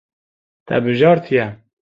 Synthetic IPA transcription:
t̪ʰɛ̰bɨʒɑːɾt̪ʰijɛ

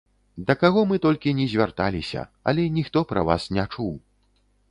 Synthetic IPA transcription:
d̪ɐkaɣɔmɨt̪ɔlʲkʲinʲɛzʲvʲart̪alʲisʲɐ̰ɐ̰lʲɛnʲixt̪ɔpɾɐ̰va̰snʲɛt͡ʂuw

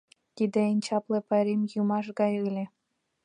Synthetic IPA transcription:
t̪id̪ĕenʲt͡ɕɑplĕpɑɾʲemjumɑʃ̬ɡɑjɯlʲĕ

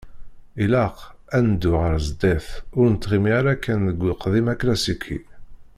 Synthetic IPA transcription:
ilæq | ænd̪ːʊʁəɾzd̪æθʊɾnət̪ːʁimiaɾækːænðəɡʷːiqðimæklæsikʰːḭ

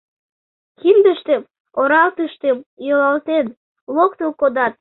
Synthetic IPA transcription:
kind̪əʃt̪em | oɾɑlt̪əʃt̪emjolɑlt̪en | lok̚t̪əlkod̪ɑt̪̚

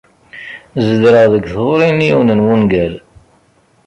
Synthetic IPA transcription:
zəd̪ɾəʁðəɡθvɾinjiwnənwunɡæl

